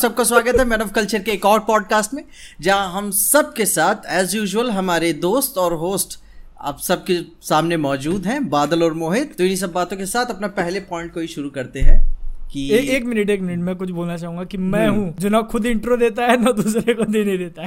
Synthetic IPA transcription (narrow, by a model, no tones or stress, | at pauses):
sɐb̚kaswaːɡət̪ɦɛmɛːnəʋkɐlt͡ʃəɾkeːkɔːɾpɔːɖ̚kaːsʈmẽ | d͡ʒɐɦãɦɐmsɐb̚kesaːt̪ʰɛːzjuːʒwəlɦɐmaːɾed̪oːst̪ɔːɾɦoːsʈ | a̰ːpsɐb̚ke | saːmnemɔːd͡ʒuːd̪ɦɛ̃baːd̪əlɔːɾmoːɦɪd̪̚t̪oɪnis̬ɐbːaːt̪õkesaːt̪ʰɐpnapɛɦlepɔ̃ːɪ̃ɳʈkoiʃʊɾukɐɾt̪eɦɛ̃ːkieːkmɪnəʈeːkmɪnəʈmɛ̃ːkʊt͡ʃʰboːlnat͡ʃaːɦũːŋɡakimɛ̃ɦũd͡ʒoːnɐxʊd̪ɪ̃ɳʈɾod̪eːt̪̬aɦɛnɐd̪uːsɾekod̪eːneĩd̪eːt̪aɦɛ